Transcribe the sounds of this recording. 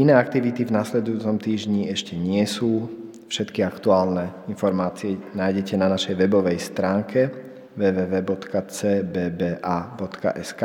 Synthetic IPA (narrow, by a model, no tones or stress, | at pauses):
inɛːak̚t̪iʋit̪ivnaslɛd̪ujuːt͡sɔmt̪iːʒɲiɛʃcɛɲɪɛsuː | fʃɛt̪kiakt̪uaːlnɛinfɔɾmaːt͡siɛnaːjɟɛcɛnanaʃɛjʋɛbɔʋɛjst̪ɾaːŋkʰɛ | ʋɛːʋɛːʋɛːbɔt̪kat͡sɛːbɛːbɛːʔabɔt̪ka̰ʔɛska